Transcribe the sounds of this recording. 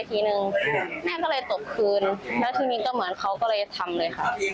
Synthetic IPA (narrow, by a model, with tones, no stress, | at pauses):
t̪ʰiː˧˩nɯ˨˧ŋnɛː˥˩kɔː˥˩lɤː˧jt̪o˨˩p̚kʰɯː˧nlɛː˦˥wt̪ʰiː˧niː˧˥kɔː˥˩mɯ˩˦ənkʰa˦˥wkɔː˥˩lɤː˧jt͡ɕa˩t̪ʰa˧mlɤː˧jxʰa˥˩